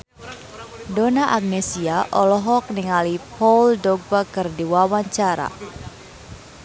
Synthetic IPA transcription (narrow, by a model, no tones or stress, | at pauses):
dɔnaʔaɡ̚nesiaʔɔlɔɦɔk̚niŋalipɔldɔɡ̚bakɨrdiwawaɲt͡ʃaɾa̰